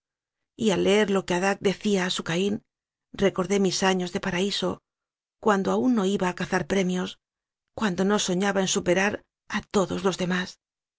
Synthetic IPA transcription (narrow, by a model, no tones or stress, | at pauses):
ialːee̞ɾlo̞ke̞aðak̚d̪e̞θiaːsukain | re̞ko̞ɾðe̞misaɲo̞zðe̞paɾaiso̞ | kwand̪o̞aunːo̞iβaːkaθaɾpɾe̞mjo̞s | kwand̪o̞no̞so̞ɲaβaensupe̞ɾaɾ | at̪o̞ðo̞zlo̞zðe̞mas